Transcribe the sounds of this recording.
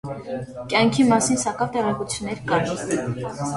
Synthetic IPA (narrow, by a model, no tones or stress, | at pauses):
kjɑŋkʰimɑsinsɑkɑvt̪ɛʁɛkut͡sʰjunːɛɾkɑ